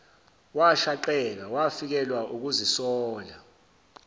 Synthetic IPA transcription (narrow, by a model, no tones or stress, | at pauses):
waʃaǃɛl̬awafik̬ɛlwaʔuk̬uzisɔːla